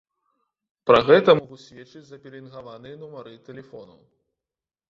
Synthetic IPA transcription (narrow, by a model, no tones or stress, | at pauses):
pɾɐɣɛt̪ɐmɔɣusʲvʲɛt͡ʂɨd͡zʲzɐpʲɛlʲinɣavanɨjɐnumɐɾɨt̪ɛlʲɛfɔnɐ̰w